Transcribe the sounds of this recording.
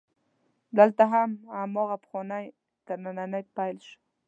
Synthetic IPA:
d̪əlt̪aɦamamɔɣapxɔnaj | t̪əɾnananajpajlʃ

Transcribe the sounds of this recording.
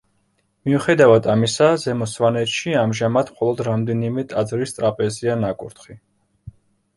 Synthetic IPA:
miuχɛd̪avad̪amisazɛmɔsvanɛt̪ʃiamʒamad̪mχɔlˠɔd̪ɾamd̪ɛnimɛt̪ʼad̪zvɾist̪sʼɾapʼɛzianakʼṵɾt̪χi

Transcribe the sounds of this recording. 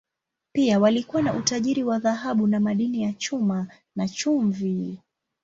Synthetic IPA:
piawalikuwanaʔutaʄiɾiwaðaɦaɓunamaɗinijat͡ʃuma | nat͡ʃuɱvi

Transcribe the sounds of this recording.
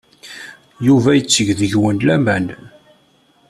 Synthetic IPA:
juvæjət͡sːəʝðəʝwənlæmæn

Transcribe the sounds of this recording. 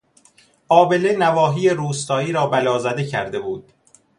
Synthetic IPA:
ʔɒːbe̞lenævɒːɦiːjeɾuːst̪ɒːiːɾɒːbælɒːzæd̪e̞cʰæ̰ɾd̪e̞buːd̪̥̚

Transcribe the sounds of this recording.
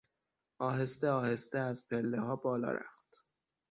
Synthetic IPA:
ʔɒːɦest̪eɒːhe̞st̪eæzpʰelːeɦɒːbɒːlɒ̰ːɾæ̰ft̪

